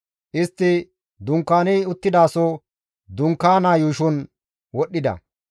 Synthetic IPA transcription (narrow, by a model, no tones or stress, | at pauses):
ʔɪst̪ːɪ | d̪ʊŋkːaːnɪʊt̪ːɪd̪aːsɔ | d̪ʊŋkːaːnaːjuːʃɔn | wɔɗːɪd̪ɐ̰